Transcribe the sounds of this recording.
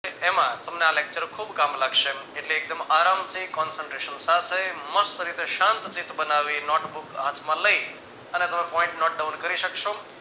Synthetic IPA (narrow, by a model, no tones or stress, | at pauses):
emãt̪əmnealek̚t͡ʃəɾkʰubkamlaɡʃeeʈleːk̚d̪əmaɾamt͡ʃikɔnsəɳʈɾeʃənsat̪ʰeməsɾit̪eʃãnt̪t͡ʃit̪bənaʋinɔʈbukat̪ʰmãləi | ənet̪əmẽpɔĩɳʈnɔʈ̚ɖawnkəɾiʃəkʃo